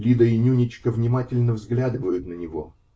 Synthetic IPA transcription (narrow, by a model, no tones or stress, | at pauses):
lʲid̪əɪnʲunʲɪt͡ɕkəvnʲɪmatʲɪlʲnəvzɡlʲad̪ɨvəjʊt̪nənʲɪvo̞̰